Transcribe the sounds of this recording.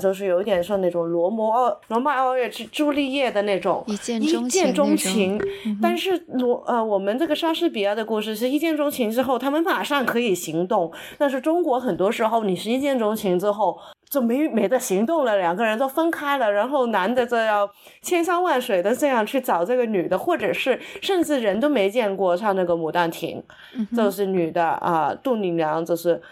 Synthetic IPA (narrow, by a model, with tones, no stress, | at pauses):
t͡ɕjo˥˧ʊʂɻ̩˩jo˧˥ʊ˥t̪jɛ˨˩nʂjɑ˥˧n˥˩ʈ͡ʂʊ˨˩ŋlwɔ˧˥mwɔ˧˥ɑ˥˧lwɔ˧˥ma˥˧ɪɑ˥˧ʊɥɛ˥˧ʈ͡ʂ̩˥˧ʈ͡ʂu˥˧li˥˧jɛ˥˩d̪ə˩ne˥˩ɪʈ͡ʂʊ̰˨˩˦ŋi˥t͡ɕjɛ˥˧nʈ͡ʂʊ˥ŋt͡ɕʰi˧˥ŋt̪a˥˧nʂɻ̩˥˩lwɔ˧˥ʔə˧wɔ˨˩mə˦nʈ͡ʂɤ˥˩ɡə˩ʂɑ˥ʂɻ̩˥˩pi˨˩jɛ˥˩d̪ə˩˧ku˥˧ʂɻ̩ʰ˥˩i˧˥ʂɻ̩˧i˥˩t͡ɕjɛ˥˩nʈ͡ʂʊ˥ŋt͡ɕʰi˧˥ŋʈ͡ʂɻ̩˥xo˥˧ʊt̪ʰa˥mə˨nma˨˩ʂɑ˥˩ŋkʰɤ˧˥i˨˩ɕi˧˥ŋt̪ʊ˥˩ŋ | t̪a˥˧nʂ̬ɻ̩˥˩ʈ͡ʂʊ˥ŋkwɔ˧˥xə˨˩nt̪wɔ˥ʂɻ̩˧˥xo˥˩ʊni˨˩ʂɻ̩˥˧i˥˩t͡ɕjɛ˥˩nʈ͡ʂʊ˥ŋt͡ɕʰi˧˥ŋʈ͡ʂɻ̩˥xo˥˩ʊ | t͡ɕo˥˩ʊme˧˥ɪme˧˥ɪd̪ə˧ɕi˧˥ŋt̪ʊ˥˩ŋlə˩ljɑ˨˩ŋɡə˧ɻə˧˥nt̪o˥ʊfə˥nkʰa˥ɪlə˨ɻa˧˥nxo˥˩ʊna˧˥nd̪ə˧t͡so˥˧ʊjɑ˥˩ʊ | t͡ɕʰjɛ˥nɕɑ˥˧ŋwa˥˩nʂwe˨˩ɪd̪ə˧ʈ͡ʂɤ˥˧jɑ˥˧ŋt͡ɕʰy˥˩t͡sɑ˨˩ʊʈ͡ʂɤ˥˩ɡə˩ny˨˩d̪ə˦xwɔ˥˩ʈ͡ʂɤ˨˩ʂɻ̩˥˩ʂə˥˧nʈ͡ʂɻ̩˥˩ɻə˧˥nt̪o˥ʊme˧˥ɪt͡ɕjɛ˥˧nkwɔ˥˧ʂʰɑ˥˧na˥˩ɡə˩mu˨˩t̪a˥˩nt̪ʰḭ˧˥ŋ | t͡ɕo˥˧ʊʂ̬ɻ̩˥˩ny˨˩d̪ə˦ə̰˧t̪u˥˩ni˧˩ŋljɑ˧˥ŋt͡ɕo˥˧ʊʂɻ̩˥˩